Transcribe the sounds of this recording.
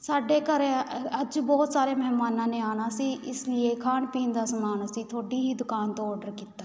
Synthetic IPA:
saːɖeːkəɾəd͡ʒbɔːt̪saːɾeːmɛɦmaːnãːnẽːaːnaːsiːʔɪslɪeːkʰaːnpiːnd̪aːsəmaːnasiːt̪ʰoːɖiːɦiːd̪ʊkaːnt̪õːɔːɖəɾkiːt̪aː

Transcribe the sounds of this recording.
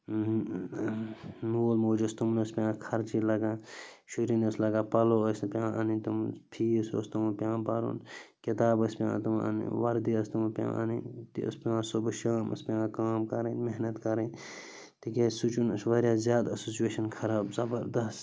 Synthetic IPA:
moːlmoːd͡ʒɐst̪umnɐspʲjãːkʰɐɾt͡ʃilɐɡaːʃuɾĩnɐslɐɡaːpɐloːɐspjãːʔanĩt̪umpʰiːso̰ːst̪umupjãːbaːɾṵːnkit̪aːbɐspʲjã̰ːt̪uma̰nḭ̃ʋɐɾd̪iɐst̪umpʲjã̰ːʔa̰nĩt̪ḭɐ̰spʲãːsubʃaːmɐ̰spʲãːkaːmkɐɾɐnmeɦnɐt̪kɐɾɐ̃ | t̪ikesut͡ʃunɐsʋɐɾjaːzjaːd̪ɐsoːsijeːʃɐnkʰɐɾaːbzɐbɐɾd̪ɐst̪

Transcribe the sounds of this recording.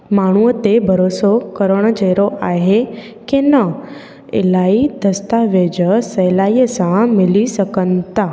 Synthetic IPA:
maːɳ̤̃uət̪ebʱəɾosokəɾəɽ̃d͡ʒəɾoʔaːɦe | kenə | ḛlaid̪əst̪aʋed͡ʒəsəlaːijəsãmɪlisəkənt̪a

